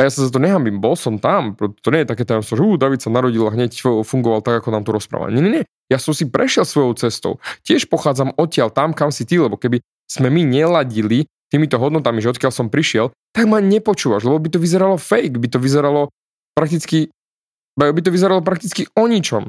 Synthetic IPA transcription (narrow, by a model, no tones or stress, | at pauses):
ajasazat̪̬ɔɲɛɦambimbɔlsɔmt̪ampɾɔ̥t̪ɔɲɛjɛt̪akɛːt̪ɛːmɛsɔmʒɛuːd̪aʋit̪sanaɾɔɟilaɦɲɛcfuŋɡɔʋalˠt̪aɡakɔnaːmt̪ɔɾɔspɾa̰ːʋa̰lɲɛɲɛɲɛ | jasɔmsipɾʔɛʃɪɛlsʋɔjɔʊt͡sɛst̪ɔ̰ʊcɪɛʃpɔxaːd͡zamɔcɪalt̪amkamsit̪ilɛbɔkɛbi | z̥mɛmiɲɛlaɟili | t̪iːmit̪ɔɦɔd̪nɔt̪amiʒɛɔt̪̚kɪjalsɔmpɾiʃɪɛl | t̪aɡmaɲɛpɔt͡ʃuːʋaʒlɛbɔbit̪ɔʋizɛɾalɔfɛjɡbit̪ɔʋizɛɾalɔ | pɾak̚t̪it͡ski | bɛbit̪̬ɔʋizɛɾalɔpɾak̚t̪it͡skiɔɲit͡ʃɔm